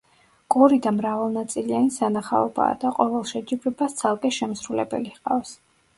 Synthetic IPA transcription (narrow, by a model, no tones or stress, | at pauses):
kʼɔɾid̪amɾavalˠnat̪sʼilianisanaχa̰ɔba̰ːd̪aqʼɔvɛlˠʃɛd͡ʒibɛbast̪sʰalˠkʼɛʃɛmsɾulɛbɛ̰liqʼavs